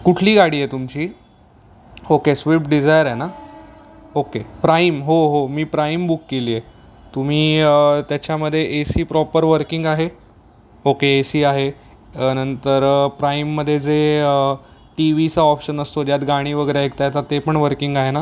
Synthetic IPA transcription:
kuʈʰliːɡaɽiːjet̪umt͡ɕiː | okesʋipɖid͡zajəɾena | okepɾaimɦoɦomiːpɾaimbukːeliːe | t̪um̤iːət̪jat͡ɕaməd̪ʱːjeʔesiːpɾɔpəɾʋəɾkiŋɡaɦe | okeːsiːaɦe | nənt̪əɾpɾaimːəd̪ʱːjed͡zeə | ʈiʋit͡saɔpɕənəst̪od̪jat̪ɡaɽ̃iːʋəɡəjɾaekt̪ajt̪at̪epəɳʋəɾkiŋɡaɦena

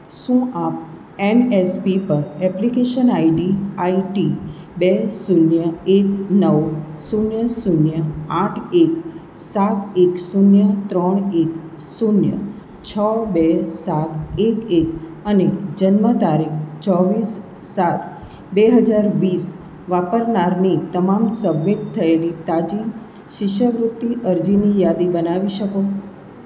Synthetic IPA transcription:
sũʔap̚ | enespipəɾɛplikeʃənaiɖiaiʈi | besunjəeknəʋ | sunjəsunjəaʈʰek | sat̪eksunjət̪ɾəɳ̃ek | sunjə̰ | t͡ʃʰəbesat̪ʰekek | əned͡ʒənmət̪aɾikt͡ʃɔʋisː | at̪ʰ | beɦəd͡ʒaɾʋis | ʋapəɾnaɾnit̪əmamsəbmiʈ̚t̪ʰːəelit̪ad͡ʒin | ʃɪʃəʋɾut̪ːiʔəɾd͡ʒinijad̪ibənaʋiʃəko

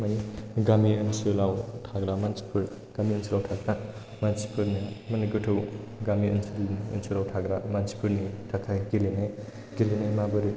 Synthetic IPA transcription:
maniɡamiɯnsɯlawtʰaɡɾamansi̥pʰuɾ | ɡ̥amiənsilawtʰaɡɾa | mansi̥pʰɯɾnimaniɡɯtʰɯwɡamiɐnsilə̰nsulawtʰaɡɾamansi̥pʰuɾnitʰakʰaɡilenaj | ɡilenajmabɯɾi

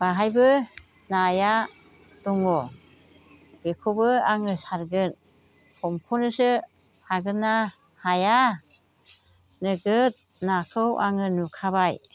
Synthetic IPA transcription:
b̥aɦajbɯ | naja | tuŋɔ | b̥ekʰobɯaŋɯsaɾɡɯn | kʰɔmkʰɔnɯsɯ | haɡɯnːa | haja | nɯɡɯt̚ | nakʰɯwʔa̰ŋɯnukʰabaj

